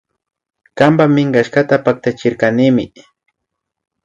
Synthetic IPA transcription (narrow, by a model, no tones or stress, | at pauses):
kampamɪŋɢaʃkat̪apak̚t̪at͡ʃɪɾkanɪmɪ